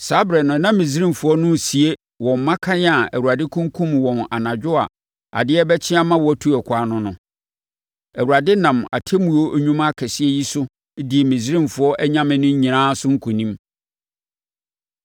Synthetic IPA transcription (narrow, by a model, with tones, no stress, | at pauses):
sa˦bɾɛ˨nʊ̃˨nã˦mĩ˨s̬ɾĩ˦˨mfʊ˨˦ɔ˦nʊ̃˦˨si˨e˦ | wɔ̃˨mː˨ã˦kʰã˦nɪ˦a˨æ̰˨wu˨a˨dɪ˦kʰũ˦ŋ˦kʰũ˦mwɔ̃˨na̰˨nã˨d͡ʑᶣʊ˦a̰˨ | a̰˨dɪ˦ɛ˦bɛ˦t͡ɕʰɪ˦a˦mã˦wɔ˨æ˦tʰu˦ɛ˨kʷʰaː˨˦nʊ̃˦nʊ̃˨ | æ˨wu˨a˨dɪ˦nã˨ma̰˨tʰe˦mũ˨o˦ʔɲũ˦ma˦kʰɛ˨sɪ˦ɛ˦ji˦sʊ˦ | di˨e˨mĩ˨s̬ɾĩ˦mfʊ˨˦ɔ˦ʔɛ˦ɲã˦mɪ̃˦nʊ̃˦ɲ˦ɲĩ˨nãː˦sʊ˦ŋ̩˦kʰu˨nĩ˦m